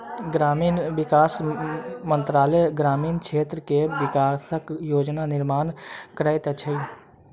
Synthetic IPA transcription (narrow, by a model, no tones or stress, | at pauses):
ɡɾamiːnbɪkaːsmənt̪ɾaːleɡɾaːmiːnkt͡ʃʰeːt̪ɾəkeʋɪkaːsəkjoːd͡ʒnanɪɾmaːnkɾaɪt̪ət͡ʃʰəi